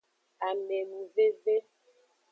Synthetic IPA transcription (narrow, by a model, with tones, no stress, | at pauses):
a˨me˨m˨ve˦ve˦